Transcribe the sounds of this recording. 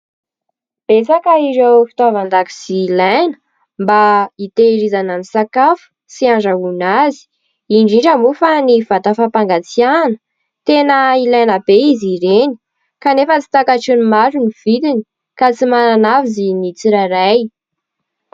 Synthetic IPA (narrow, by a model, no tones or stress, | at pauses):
b̥esakəiɾewfi̥t̪avand̪aki̥z̥iːlajnə̥ | mbait̪eɾizananisakafu̥ | siaɳɖ͡ʐaɦunazi̥ | iɳɖ͡ʐiɳʈ͡ʂəmufaniv̥at̪afapaŋɡat͡sianə̥ | t̪enəilajnəb̥eiziɾeni̥ | kanefət͡si̥t̪akaʈ͡ʂunimazuniv̥id̪ini̥ | kat͡simananavizinit͡siɾaɾaj